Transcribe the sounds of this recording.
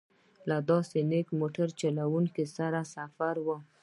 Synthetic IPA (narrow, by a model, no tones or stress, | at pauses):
lad̪ɑsenekmoʈaɾt͡ʃalawuŋkisaɾasafaɾwə